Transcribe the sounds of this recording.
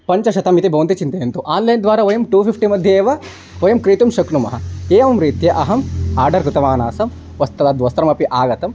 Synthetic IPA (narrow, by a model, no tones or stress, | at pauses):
pɐɲt͡ʃɐʃɐt̪ɐmit̪ibʱɐʋɐnt̪it͡ʃint̪ɐjɐnt̪uʔaːnlɐjnd̪ʋaːɾaʋojɐmʈuːfifʰʈimɐd̪ʱjeːʋɐ | ojɐmkɾiːt̪umʃɐkɳumɐ̰ɦɐ̆keːʋɐmɾiːt̪jɐʔɐɦɐmaːɾɖɐɾkɾut̪ɐmaːnaːsɐm | ʋɐst̪ɐɐd̪ʋɐst̪ɾɐmɐpiʔaːɡɐt̪ɐm